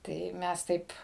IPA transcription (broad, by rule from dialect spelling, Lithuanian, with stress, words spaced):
ˈtɐɪ ˈmʲɛs ˈtɐɪp